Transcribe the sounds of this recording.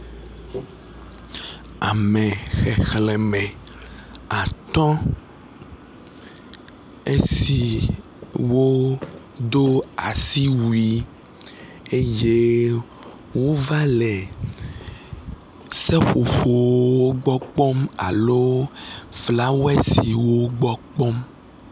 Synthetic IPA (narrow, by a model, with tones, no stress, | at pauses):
a̰˨mẽ˨xɛ˨xlɛ˨mɛ̃˨ | a˨t̪ɔ̃˦ | ḛ˦si˨ | wo˦ | d̪o˦a˨si˦wu˨i˦ | e˦je˦ | wo˦va˦lɛ˨ | sɛ˦xo˨ɸo˨o˦ɡ͡bɔ˦k͡pɔ˦ma̰˨lo˦ | vla˦wo˦ɛ˦sii˨wo˦ɡ͡bɔ˦k͡pɔ˦m